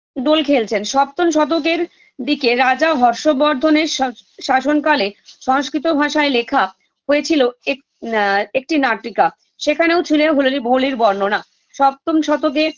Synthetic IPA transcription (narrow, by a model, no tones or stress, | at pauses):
ɖolkʰelt͡ɕʰenʃɔp̚t̪onʃɔt̪̬ok̬eɾ | d̪ikeɾad͡ʑaɦɔɾʃobɔɾd̪ʱoneɾʃʃaʃonkaleʃɔɦʃkɾit̪obʱaʃaelekʰa | ɦojet͡ɕʰiloek | ek̚ʈinaʈɾika | ʃekʰaneot͡ɕʰuleɦoloɾibʱoliɾbɔɾnona | ʃɔp̚t̪onʃɔt̪ok̬e